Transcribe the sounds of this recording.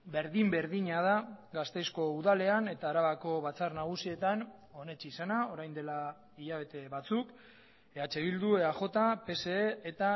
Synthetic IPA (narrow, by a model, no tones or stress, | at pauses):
be̞ɾðimbe̞ɾðiɲað̞aɡast̪e̞jsko̞uðale̞ane̞t̪aːɾaβako̞βat͡sarnaɣ̞usie̞t̪an | o̞ne̞t͡ʃisanao̞ɾajnd̪e̞la | iʎaβ̞e̞t̪e̞βat͡suk | eat͡ʃe̞β̞ild̪ue̞axo̞t̪ape̞se̞ːt̪a